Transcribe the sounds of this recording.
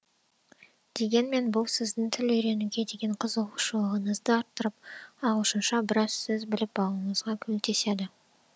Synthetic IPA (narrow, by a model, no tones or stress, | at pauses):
d̪̥e̞ɡʲe̞nme̞nbʊlˠsɪzd̪ɪŋt̪ʰɪlɵjɾe̞nɪɡʲe̞d̪e̞ɡʲe̞ɴqʰəzəʁuʃolˠʁəɴəzd̪əɑɾt̪ːəɾəp̚ɑləʃənʃɑbɪɾɑzsɪzbɪlɪp̚bɑlˠuəɴəzʁɑkʲʰɵlt̪ʰe̞sed̪ɪ